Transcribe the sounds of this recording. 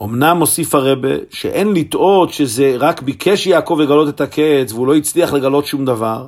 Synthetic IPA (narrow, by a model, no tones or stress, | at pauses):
o̞mnamo̞sifhaʁebḛʃḛʔenlit̪ʔo̞t̪ʃezeʁakbikʰeʃjaːko̞vjeɡalo̞t̪et̪akʰet͡sveulo̞jit͡sliaχle̞ɡalo̞t̪ʃumd̪avaʁ